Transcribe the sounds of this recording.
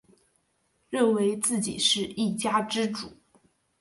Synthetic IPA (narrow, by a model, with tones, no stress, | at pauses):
ɻə˥˩nwe˧˥ɪt͡sɹ̩˥˩t͡ɕḭ˨˩ʂɻ̩˥˧i˥˩t͡ɕja˥ʈ͡ʂɻ̩˥ʈ͡ʂṵ˨˩˦